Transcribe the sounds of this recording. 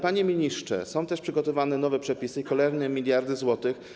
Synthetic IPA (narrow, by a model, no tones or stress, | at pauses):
paɲemʲiɲiʂt͡ʂt͡ʂɛ̰sɔ̃w̃t̪ɛʂpʂɘɡɔt̪ɔvanɛnɔvɛpʂɛpʲisɘikɔlɛɾnɛmʲilʲjaɾd̪ɘzwɔt̪ɘx